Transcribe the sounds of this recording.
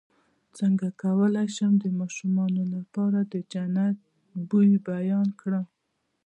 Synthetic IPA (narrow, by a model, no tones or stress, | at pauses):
t͡səŋɡakawəlajʃamd̪əmɑʃumɑnolapɑɾad̪əd͡ʒanat̪̚ | bujibajɑnkɽəm